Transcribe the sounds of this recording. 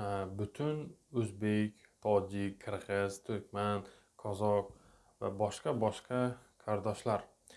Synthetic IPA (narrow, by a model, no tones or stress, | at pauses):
bʊt̪ʰʊnɵzbe̞kʲt̪ʰɒd͡ʒɪkʲkʰːɨɾʁɨz̥t̪ʰʊɾkʲman | kʰɒzɒq̚ | va̰bɒʃqabɒʃqʰɑkʰaɾd̪ɒʃlaɾ